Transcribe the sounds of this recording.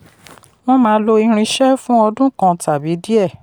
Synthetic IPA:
w̃ɔ̃˦mãː˨˦lo˧i˧ɾ̃ĩ˧ʃɛ˦fũ˦ɔ˧dũ˦kã˧tʰa˨bi˨˦di˦ɛ˦˨

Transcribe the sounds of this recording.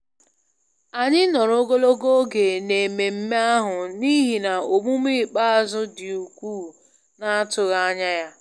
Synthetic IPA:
a˨ɲɪ˦nɔ˨ɾo˦ɡo˦lo˦ɡo˦ɡe˨ne˨me˨m̩˦me˦a˦ɦʊ˨ni˦ɦi˨na˨o˨mu˦m˦i˦˨k͡pa˦a˦˨zʊ˦dɪ˨u˨kʷuː˦˨ | na˦a˦tʊ˨ɣa˦a˦ɲa˦ja˦

